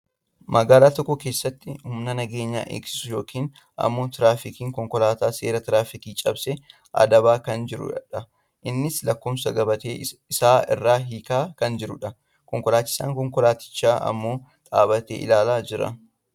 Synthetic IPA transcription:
mɐɡaːlaːt̪ɔkːɔke̞ːsːɐt̪ːɪhʊmnɐnɐɡe̞ːɲːa̰ːʔḛːksɪ̥sʊjo̞ːkʰiːn | ʔɐ̰mːo̞ːt̪ɪɾaːfɪkiːŋkɔŋkɔlaːt̪aːse̞ːɾɐt̪ɪɾaːfɪkiːt͡ʃʼɐbsɛ | ʔɐ̰d̪ɐbaːkɐnd͡ʒɪɾʊ̰ᶑɐ | ʔɪnːɪslɐkːʊmsɐɡɐbɐt̪eːɪsaːɪ̰rːaːɦiːkaːkɐnd͡ʒɪɾʊᶑɐ | kɔŋkɔlaːt͡ʃːɪ̥sa̰ːŋkɔŋkɔlaːt̪ɪ̥t͡ʃːaːʔɐ̰mːo̞ːt̪ʼa̰ːbɐt̪ḛːʔɪ̰laːlaːd͡ʒɪɾɐ̰

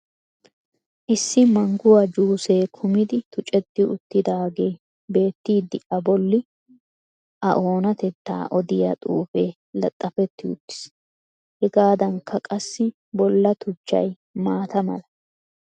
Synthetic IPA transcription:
ʔɪsːɪmɐŋɡʊwɐd͡ʒuːseːkʰʊmɪd̪ɪt̪ʊt͡ʃʼɛt̪ːɪʊt̪ːɪd̪aːɡe̞ː | be̞ːt̪ːiːd̪ːɪʔɐbɔlːɪ | ʔɐʔo̞ːnɐt̪ɛt̪ːa̰ːʔɔd̪ɪjɐ̰t̪ʼṵːfeː | lɐ̰t̪ʼːɐfɛt̪ːɪʊ̰t̪ːɪ̥s | hɛɡaːd̪ɐŋkʰɐkʼɐsːɪ | bɔlːɐt̪ʊt͡ʃːɐ̰j | maːt̪ɐmɐ̰lɐ

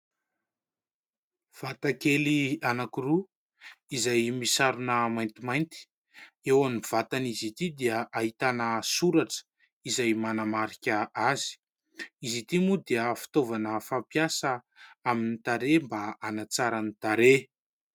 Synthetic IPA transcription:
v̥at̪akelianakiru | izajmisaɾunəmajnt̪imajnt̪i̥ | ewamiv̥at̪anizit̪id̪iəʔaɦit̪anəsuɾaʈ͡ʂə̥ | izajmanamaɾikʲəʔazi̥ | izit̪imud̪iəfi̥t̪ovanəfampjasə | aminit̪aɾembaanat͡saɾanit̪aɾe

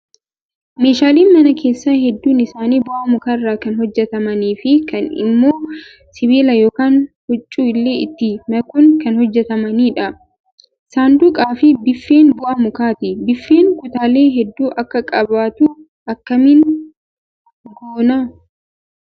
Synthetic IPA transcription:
me̞ːʃaːliːnmɐnɐkʰe̞ːsːaːhɛd̪ːuːnɪsaːniːbʊʔɐmʊkarːaːkɐnhɔd͡ʒːɛt̪ɐmɐniːfɪkɐnɪ̰mːo̞ː | sɪβiːlɐjo̞ːkaːnhɔt͡ʃʼːuːɪlːe̞ːɪ̰t̪ːɪmɐkʊnkɐnhɔd͡ʒːɛt̪ɐmɐniːᶑɐ | saːnd̪uːkʼaːfɪbɪfːe̞ːnbʊʔɐmʊkaːt̪ɪbɪfːe̞ːŋkʊt̪aːle̞ːɦɛd̪ːuːʔɐkːɐkʼɐbaːt̪ʊ | ʔɐkːɐmin | ɡoːna

